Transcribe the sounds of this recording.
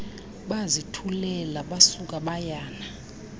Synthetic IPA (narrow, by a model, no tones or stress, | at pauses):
ɓazitʰulɛlaɓasuk̬ʼaɓajaːna